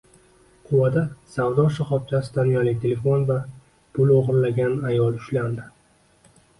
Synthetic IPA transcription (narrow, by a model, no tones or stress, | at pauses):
qʰʊwad̪asavd̪ɒʃaχɒp̚t͡ʃʰasɪd̪anjɒlɪk̚ʲt̪ʰe̞le̞fo̞nva | pʰʊloʁɨɾlaɡʲanajɒlˠʊʃland̪ɪ